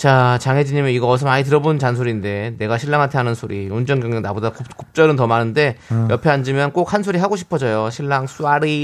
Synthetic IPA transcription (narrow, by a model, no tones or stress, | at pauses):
t͡ɕat͡ɕaŋɦe̞d͡ʑiɲimeiɡʌʌsʰʌmaɲit̬ɯɾʌbont͡ɕansʰoɾinde̞ne̞ɡaɕʰiɭːaŋɦantʰe̞ɦanɯnsʰoɾiund͡ʑʌŋɡjʌŋɡjʌŋnabodakokop̚t͡ɕ͈ʌɾɯntʌmanɯnde̞jʌpʰe̞and͡ʑimjʌnk͈ok̚hansʰoɾiɦaɡoɕʰi̥pʰʌd͡ʑʌjoɕʰiɭːaŋs͈uaɾi